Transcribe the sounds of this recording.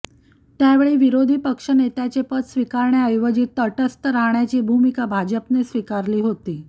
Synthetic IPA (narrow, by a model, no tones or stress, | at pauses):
t̪jaʋeɭiːʋiɾod̪ʱiːpəkʂənet̪at͡ɕepət̪sʋikaɾɳjaəjʋəd͡ʑiːt̪əʈəst̪əɾaɦɳjat͡ɕiːbʱumikabʱad͡ʑəpnesʋikaɾliːɦot̪iː